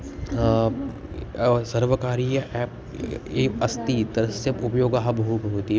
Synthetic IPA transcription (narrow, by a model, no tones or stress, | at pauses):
sɐɾʋəkaːɾijɐʔɛːp̚ | eɐst̪it̪ɐɾəsjɐpʊpjoːɡaːɦɐbʱɦupɦoːt̪i